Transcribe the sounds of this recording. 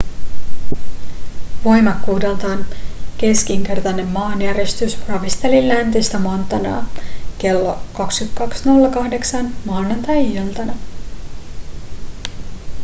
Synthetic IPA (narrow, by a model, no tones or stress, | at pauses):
ʋo̞jmɑkːuːdelt̪ɑːnke̞sk̟iŋk̟e̞rt̪ɑne̞mːɑːnjæɾest̪ysrɑʋist̪e̞lilːænt̪ist̪æmɑnt̪ːɑnɑ̰ːke̞lːo̞kɑkskyt̪kɑksno̞lːɑkɑhde̞ksɑnmɑːnɑnt̪ɑjielt̪ɑnæ